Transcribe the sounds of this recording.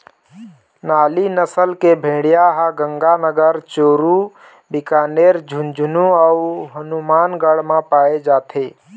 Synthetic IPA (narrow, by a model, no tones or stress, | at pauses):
naːlinəsəlkebʱẽːɽijaɦãɡə̃ŋɡanəɡəɾt͡ʃoːɾu | bɪkaːneɾd͡ʒʱund͡ʒʱunuauɦənumaːnɡəɽmãpaːed͡ʒaːt̪ʰe